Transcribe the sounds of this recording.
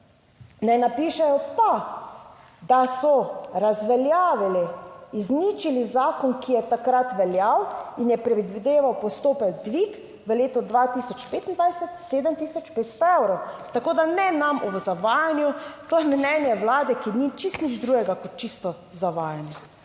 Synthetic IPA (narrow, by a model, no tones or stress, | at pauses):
nɛnapiːʃɛjɔpa | d̪asɔɾazʋɛljaːʋiliːznit͡ʃilizaːkɔnkijɛt̪akɾat̪ʋɛljawinjɛpɾɛd̪ʋid̪eːʋawpɔst̪oːpɛɡ̚d̪ʋik | ʋəleːt̪ɔd̪ʋat̪isɔt͡ʃpeːt̪ind̪ʋajsɛt̪seːd̪ɛmt̪iːsɔt͡ʃpeːt̪st̪ɔewɾɔwt̪akoːd̪anɛnamɔʋzaʋaːjanjut̪ojɛmnɛnjɛwlaːd̪ɛkinit͡ʃist̪nid͡ʒd̪ɾuːɡɛɡakɔt̪̚t͡ʃist̪ɔ | zaʋaːjanjɛ